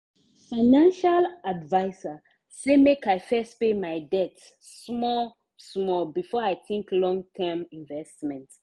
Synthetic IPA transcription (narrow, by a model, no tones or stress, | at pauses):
faɪnãnʃaladvaɪsa | semekaɪfɛstpemaɪdɛtː | mɔl | smɔlbifɔaɪθĩŋklɔ̃ŋtʰɛmĩnvɛstmɛ̃nt